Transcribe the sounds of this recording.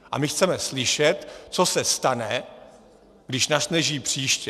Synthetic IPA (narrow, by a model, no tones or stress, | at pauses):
ʔa̰mɪxt͡sɛmɛslɪʃɛt̪t͡so̞sɛst̪anɛ | ɡdɪʃnaʃnɛʒiːpr̝̥iːʃcɛ